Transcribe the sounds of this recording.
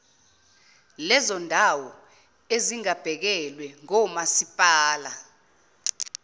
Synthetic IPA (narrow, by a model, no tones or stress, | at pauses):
lɛzɔndʱawɔ | eziŋab̥ʱɛk̬ɛlwɛŋɔmasipʼaːla